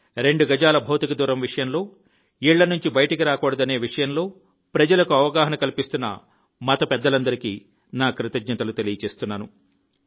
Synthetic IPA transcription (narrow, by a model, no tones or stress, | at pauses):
ɾe̞ɳɖuɡɐd͡ʒaːlɐbʱɐwt̪ikɐd̪uːɾɐmʋiʂɐjɐmlo̞ː | iːɭːɐnuɲt͡ʃibɐjɐʈɐkiɾaːkɔːɽɐd̪ɐne̞ːʋiʂɐjɐmlo̞ː | pɾɐd͡ʒɐlɐkuɐʋɐɡaːɦɐnɐkɐlipist̪unːɐ̰ | mɐt̪ɐpɛd̪ːɐlɐnd̪ɐɾikḭː | naːkɾit̪ɐd͡ʒnɐt̪ɐlut̪e̞lijɐt͡ʃe̞ːst̪unːaːnu